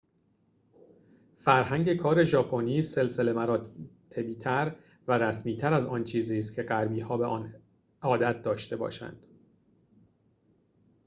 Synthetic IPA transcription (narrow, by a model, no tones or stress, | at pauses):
fæɾɦæŋɟe̞kʰɒːɾe̞ʒɒːpʰoniːse̞lse̞le̞mæɾɒːt̪ʰe̞biːt̪ʰæɾ | væɾæsmiːt̪ʰæɾæzɒːnt͡ʃʰiːziːs̬t̪cʰe̞ɢæɾbiːhɒːbe̞ʔɒ̰ːn | ɒːd̪æt̪̚ʰd̪ɒːʃt̪e̞bɒ̰ːʃæ̰nd̪̥